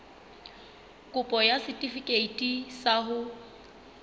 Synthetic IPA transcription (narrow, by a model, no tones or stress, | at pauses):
kʼʊpʼɔjasɪtʼifikʼeitʼisaɦʊ